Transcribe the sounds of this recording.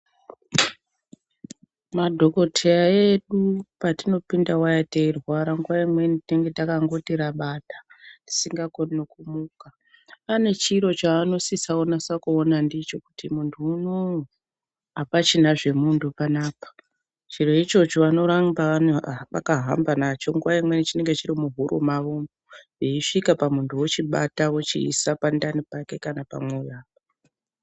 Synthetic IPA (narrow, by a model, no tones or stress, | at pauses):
madʱo̞ko̞tʰeaeɗupatino̞pindawajateirwaɾaŋɡuwaimwe̞nditeŋɡe̞takaŋɡo̞tiɾaɓatḁdi̥siŋɡakonnokumuːkaː | ne̞t͡ʃiɾo̞t͡ʃaːno̞sisaonasakuonandit͡ʃo̞ku̥timuntʰuːno | ɦapat͡ʃinaʐe̞muntʰupanaːpḁ | t͡ʃiɾo̞it͡ʃo̞t͡ʃoʋano̞ɾambanʋa̰kaɦa̰mbanat͡ʃo̞ŋɡuwaimwe̞nit͡ʃine̞ŋɡe̞t͡ʃiɾimuɦuɾʔṵmaʋo | eiʂikapamuntʰuwot͡ʃiɓa̰tawot͡ʃḭːsapandanipake̞kanapa̰mwejaː